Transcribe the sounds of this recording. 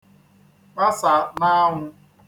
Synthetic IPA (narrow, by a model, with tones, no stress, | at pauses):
k͡pa˦sa˨na˦ŋʷʊ˦